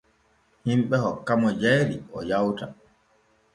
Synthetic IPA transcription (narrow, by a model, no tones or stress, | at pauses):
himɓɛhɔkːamɔd͡ʒɛjɾiɔjawta